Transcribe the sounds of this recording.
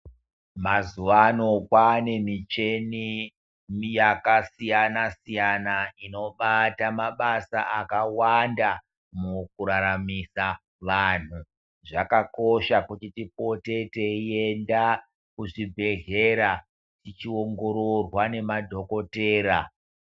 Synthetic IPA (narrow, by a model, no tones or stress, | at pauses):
mazuʋano̞kwanemit͡ʃe̞ni | jakasijanasijanaino̞ɓatamaɓasa̰ʔakawanda | muk̚uɾaɾamisa | ʋan̤u | ʐakako̞ʃakutitip̚o̞te̞teie̞nda | kuʐibʱe̞ɦe̞ɾa | tit͡ʃio̞ŋɡo̞ɾorwane̞madʱo̞ko̞teːɾa